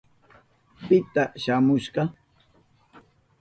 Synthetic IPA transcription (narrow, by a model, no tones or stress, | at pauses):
pɪt̪aʃaːmʊʃɢɑ